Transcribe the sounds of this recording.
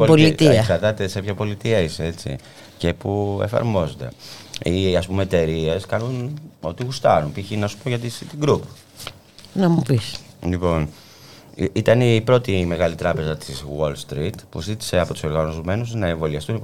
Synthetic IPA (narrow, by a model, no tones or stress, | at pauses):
opolit̪iɐksɐɾt̪ɐt̪e̞sepçɐpo̞lit̪iɐisee̞t͡sḭ | ce̞pue̞̰fɐ̰ɾmo̞zod̪e̞̰iɐspumeːt̪e̞ɾie̞skɐnuno̞t̪iɣust̪ɐnumpiçinɐsu̥poʝɐt̪isit̪iɡɾup | nɐmupis | lipo̞n | it̪ɐnipɾo̞t̪ime̞ɣɐlit̪ɾɐpe̞zɐt̪iswolst̪ɾit̪pṵzit̪i̥se̞ɐpo̞t̪u̥so̞ɾɣɐnozome̞nuznɐeɱvo̞liɐst̪uni